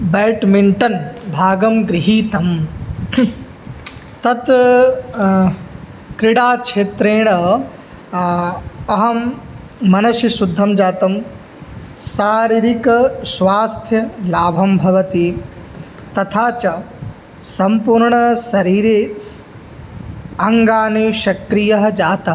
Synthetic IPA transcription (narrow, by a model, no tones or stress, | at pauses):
beːʈmiɳʈɐnbʱaːɡɐmɡɾiɦiːt̪ɐm | t̪ɐt̪ | kɾɪɽaːkʂeːt̪ɾeːɳɐ | ɐɦɐmː | ɐnɐʃjɐsud̪ʱːɐmd͡ʒaːt̪ɐm | saːɾiɾikɐsʋaːst̪ʰjɐlaːbʱɐmbʱɐʋɐt̪i | t̪ɐt̪ʰaːt͡ʃɐ | sɐmpuːɾɳɐsɐɾiːɾe | ɐŋɡaːneʃɐkɾijɐɦɐd͡ʒaːt̪ɐ